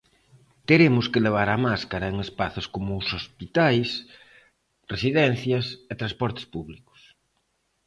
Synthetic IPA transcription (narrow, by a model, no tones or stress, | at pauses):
t̪eɾemʊskeleβ̞aɾamaskaɾɐeŋespaθoskomʊːsospit̪ajs | resiðɛn̟θjɐset̪ɾaspɔɾt̪e̥spuβlikʊ̥s